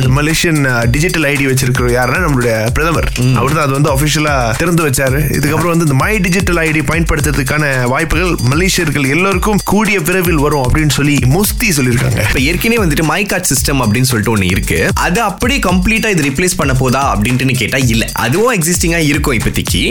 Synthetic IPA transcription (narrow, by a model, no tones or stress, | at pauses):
ɪnd̪ɐmɐleːʂɪjɐn | ɖɪd͡ʒɪʈːɐlɐɪɽiʋɐt͡ʃːɪɾɯkːɪɾɐ̃jaːɾɛnːaːnɐmːɐɭʊɽɐjɐpɪɾɐðɐmɐɾɐpɐɾt̪ãːɐðɯʋɐnd̪ɯɐfɪʂɪjɐlaːt̪ɪɾɐnd̪ɯʋɐt͡ʃːaːɾɯɪ̰ðɯkːɐpːɯɾɐ̃ʋɐnd̪ɯɪnd̪ɐmaːɾiɖɪd͡ʒɪʈːɐlɐɪɽipɐɪnɖpɐɽɯt̪ːɯɾɐðɯkːaːnɐ | ʋaːjpːɯɣɐɭmɐleːʂɪjɐɾɡɐɭɛlːoːɾɯkːɯmkuːɽɪjɐʋɪɾɐʋɪlʋɐɾʊ̃ɐpːɐɽɪnːɯsɔlːimɔst̪isɔlːɪɾɯkːa̰ːŋɡɐ̰pːoːɛɾɯkːɪneːʋɐnd̪ɯʈːɯmaːɪkaːɾʈsɪsʈɐmɐp̬ːɐɽɪnːɯs̬ɔlːɪʈːɯɔnːɯɪɾɯkːɯʔɐ̰ðɯɐpːɐɽiːkɐmpliːʈːaːɪðɯɾɪpleːspɐɳːɐp̬ːoːðaːɐpːɐɽɪnʈːɯnːɯk̬eːʈːaːɪlːɛʔɐ̰ðɯʋʊ̃ɛksɪsʈɪŋɡaːɪɾɯkːʊ̃ɪpːɐt̪ːɪkːḭ